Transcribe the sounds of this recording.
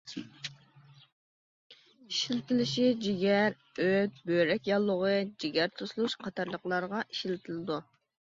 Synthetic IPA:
iʃilɪt̪ʰɪlɪʃid͡ʒiɡʲæɾ | øt̪̚bøɾɛkʲjɑlˠːʊʁəd͡ʒiɡʲæɾt̪ʰuslˠuʃqʰɑt̪ʰɑɾlˠəqlˠɑɾʁɑʔiʃilɪt̪ʰɪlɪd̪u

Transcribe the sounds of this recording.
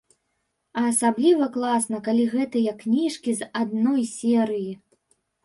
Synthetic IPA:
ɐːsablʲivɐklˠasnɐkalʲiɣɛt̪ɐjɐkːnʲiʂkʲizad̪̚nɔjsʲɛɾɨji

